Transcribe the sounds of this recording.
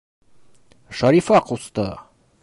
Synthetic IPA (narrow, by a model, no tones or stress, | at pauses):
ʃɑɾifɑqust̪ɤ̰